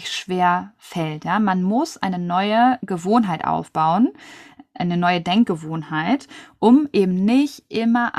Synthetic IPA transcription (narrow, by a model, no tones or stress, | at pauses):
çʃv̥eːɐfɛltjaːmanmʊsʔa̰ɪnənɔʏəɡəvoːnɦaɪtʔa̰ʊfb̥aʊənʔaɪnənɔʏədɛŋk̚ɡ̥əvoːnhaɪtʔʊmʔeːbm̩nɪçtʔɪmɐʔ